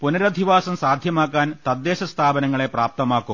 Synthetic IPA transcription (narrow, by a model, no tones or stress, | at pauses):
punɐɾɐd̪ʱiʋaːsɐmsaːd̪ʱjɐmaːkːaːnt̪ɐd̪ːeːɕɐst̪ʰaːbɐnɐŋːɐɭe̞praːp̚t̪ɐmaːkːum